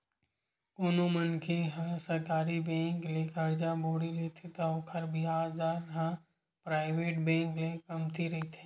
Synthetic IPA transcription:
koːnomənkʰeɦãsɐɾkaːɾibɛ̃ːŋklekəɾd͡ʒaboːɽileːt̪ʰet̪ɐokʰəɾbʱiɦaːd͡ʒd̪aːɾɦã | pɾaːɪʋeːʈbɛ̃ːŋklekɐmt̪iɾɐɦit̪ʰe̥ː

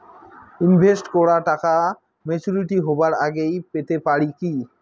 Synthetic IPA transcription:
inbʱesʈkɔɾaɾʈaka | met͡ɕuɾiʈiɦobaɾaɡejpet̪epaɾiki

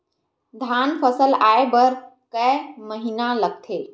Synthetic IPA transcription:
d̪ʱanpʰəsəlaːebəɾ | kəməɦinaləɡ̚t̪ʰe

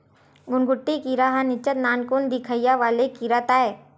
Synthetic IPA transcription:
ɡʊnɡʊʈːikiɾaɦanɪt͡ʃət̪naːnkund̪ɪkʰəijaʋaːlekiɾat̪aːeː

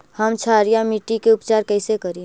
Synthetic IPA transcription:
həmt͡ʃʰaɾijamiʈikeʊpt͡ʃaːɾkɛɪsekəɾiẽ

